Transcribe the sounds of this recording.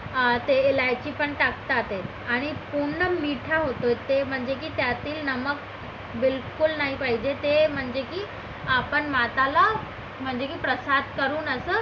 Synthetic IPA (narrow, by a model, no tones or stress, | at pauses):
t̪eːlajt͡ɕiːpəɳʈakt̪at̪et̪ | aɽ̃ipuɳːəmiʈʰaɦot̪oet̪em̤əɳd͡ʑek̬iːt̪jat̪iːlnəmək | bilkulnaɦipaɦid͡ʑet̪em̤əɳd͡ʑekiː | apəɳmat̪ala | m̤əɳd͡ʑekiːpɾəsad̪̚ʱkəɾuːnəsəː